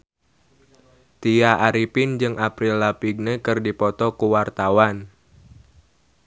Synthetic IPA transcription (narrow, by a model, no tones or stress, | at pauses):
t̪iaʔaɾipɪnd͡ʒɨŋʔapɾilapiɡ̚nəkɨrdipɔt̪ɔkuwart̪awan